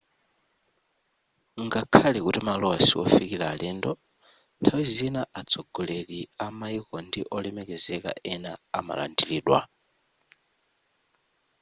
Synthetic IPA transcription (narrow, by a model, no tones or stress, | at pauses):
ŋɡakʰalɛkutimalɔwasiɔ̰fikilaːlɛndɔ | ntʰawizinaʔat͡sʰɔɡɔleɗiamaikɔndiʔɔlɛmɛkɛzɛka̰ɛnaːma̰la̰ndiliːɗwa̰